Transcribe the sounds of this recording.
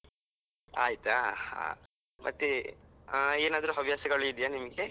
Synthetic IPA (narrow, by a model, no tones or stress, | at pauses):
a̰ːjit̪aha̰ː | mʔɐ̰t̪ːi | eːnaːd̪ɐɾuɦɐbʱjaːsɐɡɐɭuid̪ijaːnimɐɡe